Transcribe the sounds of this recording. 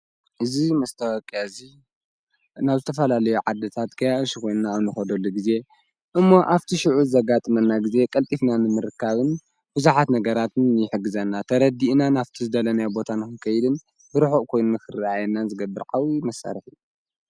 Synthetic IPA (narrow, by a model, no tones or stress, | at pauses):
ʔɨzimɐst̪ʰɐwɔkʼjazi | naβzɨt̪ʰɐfɐlalɐjuʕad̪ɐt̪ʰat̪kʰɐjaʔɨʃikʰo̞jnunaːβnɨxɐd̪olːuɡize̞ | ʔɨmːo̞ʔaft̪ʰiʃɪʕuzɨzɐɡat̪ʼɨmɐnːaɡize̞kʼɐlt̪ʼifnanɨmɨɾɨkːaβɨn | b̥ɨzuħat̪nɐɡɐɾat̪ɨnjɪħɨɡːɨzɐnːat̪ʰɐɾɐd̪iʔnanaft̪ʰizɨd̪ɐlɐnajabo̞t̪ʰanɨxɨnkʰɐjd̪ɨn | bɨɾɨħoʔkʰo̞jnunakʰɨrʔajɛnːanzɨɡɐbːɨɾʔawimɐsːa̰ɾħi